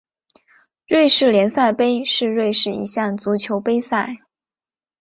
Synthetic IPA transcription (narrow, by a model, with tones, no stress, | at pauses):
ɻwe˥˧ɪʂɻ̩˥˩ljɛ˧˥nsa˥˩ɪpe˥ɪʂɻ̩˥˧ɻwe˥˧ɪʂɻ̩˥˩ḭ˧˥ɕjɑ˥˩ŋt͡su˧˥t͡ɕʰjo˧˥ʊpe˥ɪsa˥˩ɪ